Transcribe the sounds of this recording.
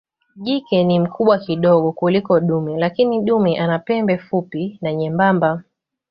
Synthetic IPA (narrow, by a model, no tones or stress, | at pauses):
ʄikɛnim̩kuɓwakiɗɔɠɔkulikɔɗumilakiniɗumiʔanapɛmbɛfupinaɲɛmbamba